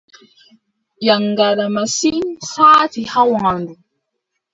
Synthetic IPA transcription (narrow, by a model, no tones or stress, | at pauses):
jaŋɡalamasiŋsaːtihawãndu